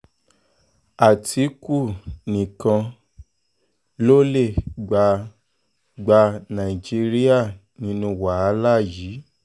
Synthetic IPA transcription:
a˨tʰi˨˦ku˦˨nĩ˨kã˧ | lo˦le˦˨ɡ͡ba˧ | ɡ͡ba˧nã˨i˨d͡ʒi˧ɾi˦a˦˨nĩ˧˦nũ˧wa˨a˧˦la˦ji˨˦

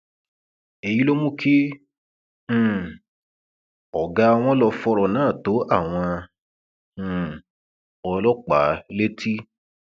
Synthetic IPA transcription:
e˧ji˨˦lo˦mũ˦kʰi˦˨ | ɔ˨ɡa˦˧w̃ɔ̃˦lɔ˧fɔ˧ɾɔ˧nãː˨˦˨to˨˦a˦˨w̃ɔ̃˧˨ | ɔ˧lɔ˦k͡pa˨˦le˦tʰi˦

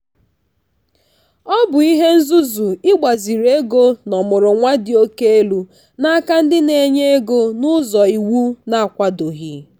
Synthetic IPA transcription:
ɔ˦bʊ˨i˦ɦe˦n̩˦zu˦zu˨ɪ˦ɡ͡ba˨zi˨ɾe˦ɡo˦nɔ˨mʊ˨ɾʊ˨ŋʷa˦dɪ˨o˦ke˦e˦lu˦ | na˦ka˦n̩˦dɪ˦ne˨ɲe˦e˦ɡo˦nʊ˦zɔ˨i˨wu˦na˨a˨kʷa˦do˨ɦi˨

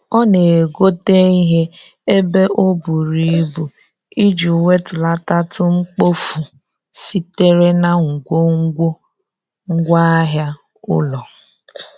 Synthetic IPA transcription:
ɔ˦ne˨e˨ɡo˦te˦i˦ɦe˦ | e˦be˦ʔo˦bu˨ɾi˨˦bu˨ | i˦d͡ʒi˨we˦tʊ˨la˦ta˦tʊ˦ŋ͡m̩˦k͡po˦fu˨ | si˦te˦ɾe˦na˦ŋ̩˨ɡʷo˦ŋ̩˦ɡʷo˦ | ŋ̩˦ɡʷa˦a˦ɦja˦ | ʊ̰˦lɔ˨

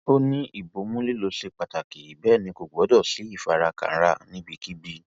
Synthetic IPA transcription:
o˦nĩ˦i˦˨bo˨˦mũ˦li˦lo˧ʃe˧k͡pa˨ta˨ki˨bɛ˦˨nĩ˧ko˨ɡ͡bdɔ˦˨si˨˦i˦˨fa˧ɾa˧ka̰˨n̩˦ɾa˧nĩ˦bi˧ki˦bi˦

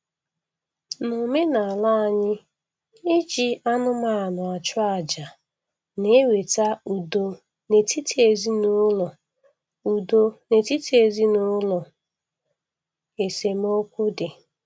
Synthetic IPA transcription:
no˨me˦na˨a˨la˦a˨ɲɪ˦ | ɪ˦d͡ʒi˨a˦nʊ˦ma˦˨a˨nʊ˨a˨t͡ʃʊ˦a˨d͡ʒa˨ | ne˦we˨ta˦u˨do˨ | ne˨ti˦ti˦e˨zi˦nʊ˦lɔ˨ | u˨do˨ne˨ti˦ti˨˦e˨zi˦nʊ˦lɔ˨ | e˨se˨m˦o˦kʷʊ˦dɪ˨

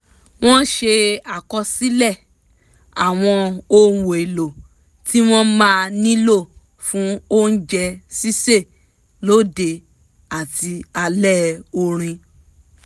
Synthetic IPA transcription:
w̃ɔ̃˦ʃe˧a˨kɔ˧si˦lɛ˦˨ | a˨w̃ɔ̃˧o˧wo˨e˨lo˨ | ti˦w̃ɔ̃˦mãː˦nĩ˦lo˦˨ | fũ˨˦o˦n̩˦d͡ʒɛ˧si˦se˦˨ | lo˦˨de˧ | a˨ti˧a˧lɛ˦˨o˧ɾ̃ĩ˧

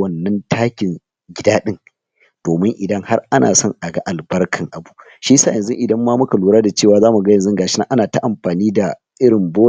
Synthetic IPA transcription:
wɐ˨nːɐ˦ntʰaː˦kʲɪ˨ŋ | ɡʲɪ˦daː˦ɗɪ˦ŋ | d̥oː˨mɪ˦ŋʔɪ˨dɐ˦ŋha˦rʔa˦nʔa̰ː˨sɐ˦ŋʔa˨ɡɐ˦ʔa˨lbɐ˦rkʰɐ˨ŋʔa˨bu˦ | ʃiː˦sa̰ː˦˨jɐ˨nzʊ˦ʔɪ˨dɐ˦mːaː˦mʊ˦ka˨luː˨ɾaː˦da˨t͡ʃeː˦˨waː˨zaː˦mu˨ɡɐ˦jɐ˨nzʊ˦ŋɡaː˨ʃɪ˦na˦ʔa˦naː˨ta˦ʔa˨mɸaː˨niː˦da˨ | ʔɪ˦ɾɪ˨mboː˦˨

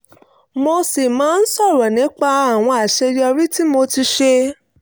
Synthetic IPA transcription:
mo˧si˨mãː˨˦n̩˦sɔ˦˨ɾɔ˨nĩ˨˦k͡pa˧a˨w̃ɔ̃˧a˨ʃe˧jɔ˧ɾi˦ti˦mo˧ti˧ʃe˧

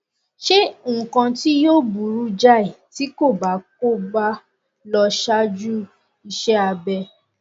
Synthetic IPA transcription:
ʃẽ˦˨kã˧ti˦jo˦bu˨ɾu˦d͡ʒa˦˨i˨ti˨˦ko˦˨ba˨˦k̚o˦˨ɡ͡ba˦ | lɔ˧ʃa˦d͡ʒu˦ | i˧ʃɛ˦a˧bɛ˧

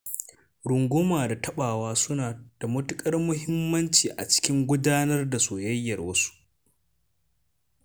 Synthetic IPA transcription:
ɽʊ˨ŋɡʷʊ˦maː˨da˨tʰɐ˦ɓaː˨waː˦sʊ˦naː˨d̥a˨mʊ˦tʊ˦kʼɐ˦rmʊ˦ɦɪ˦mːɐ˦nt͡ʃiː˨ʔa̰˨t͡ʃɪ̥˦kʲɪ˦ŋɡʷʊ˦daː˦nɐ˦rda˨soː˨jɐ˦jːɐ˨rwɐ˦su̥˦

